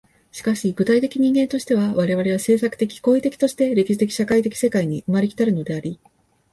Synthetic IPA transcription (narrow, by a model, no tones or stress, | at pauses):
ɕi̥kaɕiɡɯ̟t̪ait̪e̞kʲiɲ̟ĩŋɡent̪o̞ɕi̥t̪e̞β̞aβaɾe̞βaɾe̞βase̞ːsakɯ̟̥t̪e̞kʲi̥ko̞ːit̪e̞kʲi̥t̪o̞ɕi̥t̪e̞ɾe̞kʲi̥ɕi̥t̪ekʲi̥ɕakait̪̬e̞kʲi̥se̞kaiɲ̟iʔɯ̟maɾekʲi̥t̪aɾɯ̟no̞d̪e̞aɾʲi